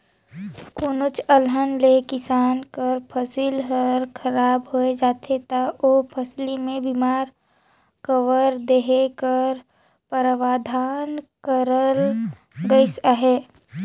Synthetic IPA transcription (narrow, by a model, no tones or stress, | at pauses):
kʊnʊt͡ʃəlɦənlekɪsaːnkəɾpʰəsilɦəɾkʰəɾaːbɦoed͡ʒaːt̪ʰet̪aopʰəslimẽbimaːɾ | kəʋəɾd̪eɦekəɾ | pəɾʋaːd̪ʱaːnkəɾəl | ɡəisaɦeː